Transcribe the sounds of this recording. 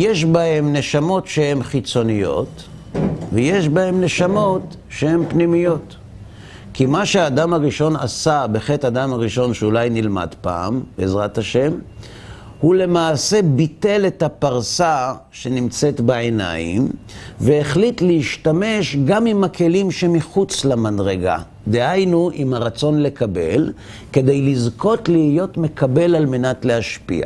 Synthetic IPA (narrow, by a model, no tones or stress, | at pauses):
je̞ʃbahe̞mne̞ʃamo̞tʃehe̞mχit͡so̞nijo̞̰t | veje̞ʃbahe̞mne̞ʃamo̞t | ʃehe̞mpnimijo̞t | kimaʃeaːdamaʁiʃo̞na̰sabeχe̞tad̪amaʁiʃo̞nʃeulajnilma̰d̪pa̰ːmbeezʁataʃe̞m | hule̞maːse̞bite̞le̞thapaʁsaʃe̞nimt͡se̞tbaena̰jḭmveːχlitleiʃtame̞ʃɡamimakʰe̞limʃe̞miχut͡slamadʁeɡa̰ | d̪e̞hajnuʔimaʁat͡so̞nle̞kabe̞l | ke̞d̪e̞jlizko̞tlihijo̞tme̞kʰabe̞lalme̞natle̞aʃpḭa̰